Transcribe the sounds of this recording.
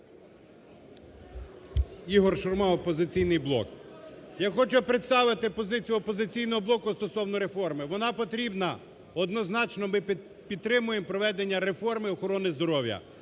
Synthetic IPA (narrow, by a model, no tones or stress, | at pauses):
iɦɔrʃɔrmɑɔpɔzɪt͡sʲijnɪjblˠɔ̰kjaxɔt͡ʃʊpɾet̪st̪ɑʋɪt̪ɪpɔzɪt͡sʲijʊɔpɔzɪt͡sʲijnɔɦɔblˠɔkʊst̪ɔsɔwnɔɾe̞fɔrmɪʋɔnɑpɔt̪ɾʲibnɐ | ɔd̪nɔznɑt͡ʃnɔmɪ | pʲid̪t̪ɾɪmʊjempɾɔʋɛd̪enʲːɐɾefɔrmɪɔxɔɾɔnɪzd̪ɔɾɔwʲjɐ̰